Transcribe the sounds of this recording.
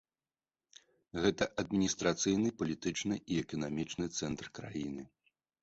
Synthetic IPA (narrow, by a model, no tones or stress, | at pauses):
ɣɛt̪ɐʔɐd̪̚mʲinʲist̪ɾat̪sɨjnɨpɐlʲit̪ɨt͡ʂnɨʔiɛkɐnamʲit͡ʂnɨt̪sɛnt̪rkɾa̰jinɨ